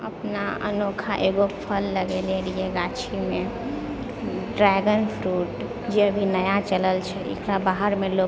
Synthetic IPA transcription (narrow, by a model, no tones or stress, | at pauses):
ə̰pnaə̰nokʰaʔeɡopʰəlːəɡeleɾijeɡat͡ʃʰime | ɖɾɛɡənpʰɾuʈ | d͡ʒeəbʱinəjat͡ʃələlt͡ʃʰɛḛkɾabaɦəɾmelo